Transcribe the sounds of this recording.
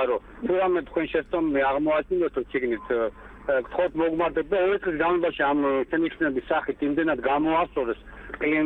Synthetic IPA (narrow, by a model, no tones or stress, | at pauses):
ɾɔ | t̪ʰuɾamɛt̪ʰkwɛnʃɛst̪ʼɔmɛmiaʁmɔat͡ʃʰind̪at̪ʰɔsʰiɡnit̪ʰ | kʼt̪ʰχɔt̪ʰmɔɡmaɾd̪ɛb̚d̪aɔɾit̪sʼlis̬ɡanlˠɔbaʃiamt͡ʃʰɛniχnɛbisːaχit̪ʰimd̪ɛnad̪ɡamɔast̪sʼɔɾɛsqʼli